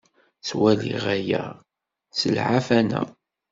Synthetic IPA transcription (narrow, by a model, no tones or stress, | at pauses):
t͡swælḭʁæjæ̰ | səlʕafænæ̰